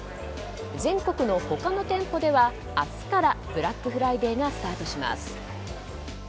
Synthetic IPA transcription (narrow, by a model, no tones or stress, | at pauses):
zẽ̞ŋko̞kɯ̟no̞ho̞kano̞t̪ẽ̞mpo̞d̪e̞βa | at͡sɨ̥kaɾab̥ɯ̟ɾakːɯ̟ɸɯ̟ɾaid̪e̞ːɡasɨ̥t̪aːt̪o̞ɕima̰sɨ̥